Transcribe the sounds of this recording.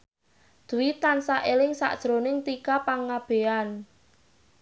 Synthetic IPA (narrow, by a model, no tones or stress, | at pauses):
d̪̥ṳwit̪ansaʔelɪŋsa̰ʔd̥ʒ̥ɾonɪŋt̪ikapaŋːab̥e̤an